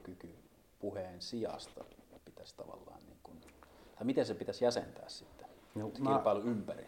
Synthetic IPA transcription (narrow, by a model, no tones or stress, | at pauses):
kyky | puheːnsiɑ̰st̪ɑpit̪æst̪ɑʋɑ̰lːɑ̰ːnnḭːŋkunt̪ɑˑimit̪ensepit̪æsjæsent̪æ̰ːssit̪ːænonɑːpɑˑeluympærḭ